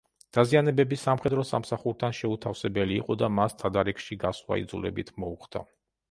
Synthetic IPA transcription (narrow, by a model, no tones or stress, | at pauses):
d̪̥azianɛbɛbisamχɛd̪ɾɔsamsaχuɾt̪ʰanʃɛut̪ʰafsɛbɛlḭːqʼɔd̪amast̪ʰad̪aɾɛkʃiɡaswa̰ḭd̪zulɛ̰bit̪ʰmɔuχd̪̥a̰